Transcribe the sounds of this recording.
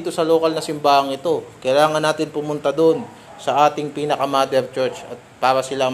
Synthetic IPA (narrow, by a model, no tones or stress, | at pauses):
t̪o̞sɐlo̞ːkɐlnɐsɪmbaːhɐŋʔɪt̪o̞kɐjlaːŋɐnːaːt̪ɪnpʊmʊnt̪ɐd̪on | sɐʔaːt̪ɪŋpiːnɐkɐmaːd̪ɛɾt͡ʃɛɹt͡ʃɐ̰t̪̚paːɾɐsɪla